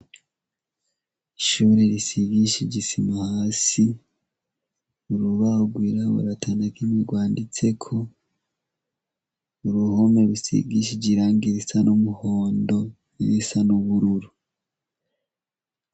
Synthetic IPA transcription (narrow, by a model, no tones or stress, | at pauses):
iʃuɾeɾisiɡiʃiɟisimahaːsi | uɾuβauɡwiːɾaβṵɾatʰanakʰimiɡwaːndit͡se̞kʰo̞ | uɾuhomeɾusḭɡiʃ̬iɟiɾaːŋɡiɾisanumuhoːndo̞ | niɾisanuβuɾuɾu